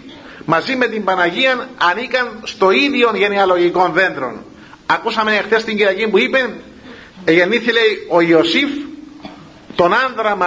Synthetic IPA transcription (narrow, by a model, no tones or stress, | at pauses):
mɐzimːe̞t̪imbɐnɐʝiɐnɐnikɐnst̪o̞iðio̞nʝe̞niɐlo̞ʝiko̞nðe̞nd̪ɾo̞̰n | ɐkusɐmenexθe̞st̪iɲɟiɾɐcimpuipen | eʝe̞nːiθile̞io̞io̞sif | t̪o̞nɐnðɾɐmɐ